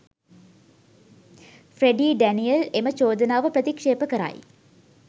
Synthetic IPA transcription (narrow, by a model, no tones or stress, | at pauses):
freɖiːɖænijəlemət͡ʃoːd̪ɐnaːʋəprət̪ikʂeːpəkəɾa̰ːj